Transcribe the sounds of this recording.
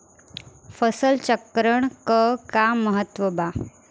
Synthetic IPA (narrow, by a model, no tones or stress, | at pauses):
fəsəlt͡ɕəkɾəɳkəkaməɦət̪ʋəba